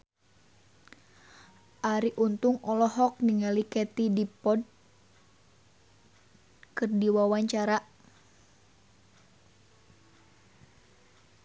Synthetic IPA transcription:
ʔaɾiʔunt̪uŋɔlɔhɔk̚niŋalikɛt̪idipɔd̚ | kɨrdiwawaɲt͡ʃaɾa

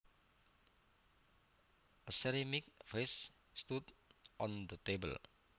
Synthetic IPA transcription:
ʔəsɛɾimik̚ves | st̪udʔɔ̃nd̪ət̪ebə̰l

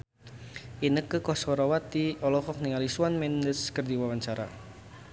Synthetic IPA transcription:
ʔinəkːəkɔsɔɾɔwat̪iɔlɔxɔk̚niŋalisuanmɛndəskərd̪iwawaɲt͡ʃaɾa̰

